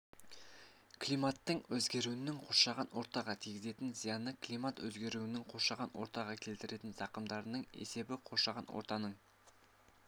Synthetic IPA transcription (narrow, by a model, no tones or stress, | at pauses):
klʲijmat̪ːəɴwɵzɡʲe̞ɾuɪnɪŋqʰoʃɑʁɑnwo̞ɾt̪ɑʁɑt̪ʰijɡʲɪze̞t̪ɪnzijɑnːəkʰlʲimat̪wɵzɡʲe̞ɾuɪnɪŋqʰo̞ʃɑʁɑnwo̞ɾt̪ɑʁɑkʲʰe̞lt̪ɪɾe̞t̪ɪnzɑqəmd̪ɑɾənəɴḛse̞bɪqʰo̞ʃɑʁɑnwo̰ɾt̪ɑnəɴ